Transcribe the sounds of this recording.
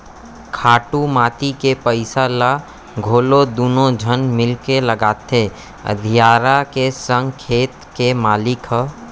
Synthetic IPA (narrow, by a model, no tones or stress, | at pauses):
kʰaːʈumaːt̪ikepəɪsala | ɡʱoːlod̪uːnõd͡ʒʱənmɪlkeləɡaːt̪e | ə̰d̪ʱijaːɾakesə̃ŋɡkʰeːt̪kemaːlɪkɦ